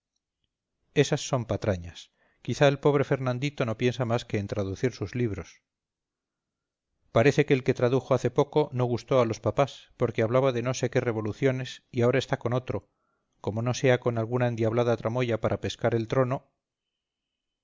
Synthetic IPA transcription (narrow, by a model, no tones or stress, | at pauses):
e̞sasːo̞mpat̪ɾaɲas | kiθaelpo̞β̞ɾe̞fe̞ɾnãnd̪it̪o̞no̞pje̞nsamaske̞ːnt̪ɾaðuθiɾsuzliβ̞ɾo̞s | paɾe̞θe̞ke̞ːlke̞t̪ɾaðuxo̞aθe̞po̞ko̞no̞ɣ̞ust̪o̞alo̞spapaspo̞ɾkeaβlaβaðe̞no̞se̞ke̞re̞βo̞luθjo̞ne̞siaoɾae̞st̪ako̞no̞t̪ɾo̞ | ko̞mo̞no̞se̞ako̞nalɣunaend̪jaβlaðat̪ɾamo̞ʝapaɾʔape̞skaɾe̞lt̪ɾo̞no̞